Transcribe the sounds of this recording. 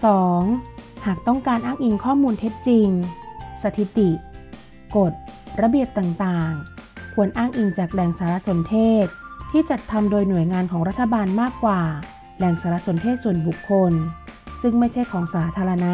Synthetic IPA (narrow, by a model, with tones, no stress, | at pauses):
sɔː˩˦ŋhaː˨˩k̚t̪ɔ˥˩ŋkaː˧nʔaː˥˩ŋʔi˧ŋkʰɔː˥˩muː˧nt̪ʰe˦˥t̪̚t͡ɕi˧ŋsa˧t̪ʰi˨˩t̪i˨˩ | ko˨˩t̪̚ɾa˧bi˨˩əp̚t̪a˨˩ŋt̪aː˨˩ŋkʰu˧ənʔaː˥˩ŋʔi˧ŋt͡ɕaː˨˩k̚lɛ˨˩ŋsaː˩˦ɾa˧˥so˩˦nt̪ʰeː˥˩t̪̚ʰːiː˥˩t͡ɕa˨˩t̪ʰːa˧mdoː˧jnu˨˩əjŋaː˧nkʰɔː˩˦ŋɾa˦˥t̪ʰːa˧baː˧nmaː˥˩kːwaː˨˩ | lɛː˨˩ŋsaː˩˦ɾa˧˥so˩˦npʰeː˥˩t̪̚su˨˩ənbu˨˩kʰːo˧nsɯ˥˩ŋma˥˩jt͡ɕʰa˥˩jkʰɔː˩˦ŋsaː˩˦t̪ʰaː˧ɾa˧na˦˥